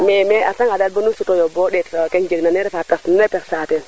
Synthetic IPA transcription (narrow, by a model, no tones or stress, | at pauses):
mɛmɛataŋadal̚bonunsutojobɔɗɛtokɛnd͡ʒeɡ̚nanɛɾɛfatasnunɛpɛksaːtɛn